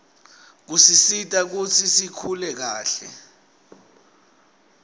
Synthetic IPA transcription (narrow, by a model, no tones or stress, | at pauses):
k̬usisitʼak̬ut͡sʰisikʰulɛk̬aːɬɛ̰